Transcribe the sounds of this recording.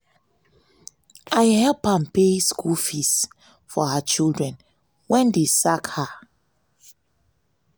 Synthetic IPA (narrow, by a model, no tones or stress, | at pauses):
ʔajhɛlphãmpeskulfis | fɔhat͡ʃildɹɛ̃n | wɛ̃ndesakha